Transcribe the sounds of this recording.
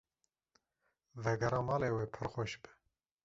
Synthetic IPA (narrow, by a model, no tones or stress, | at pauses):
vɛɡɛɾɑːmɑːleːweːpʰɨɾxoʃbɨ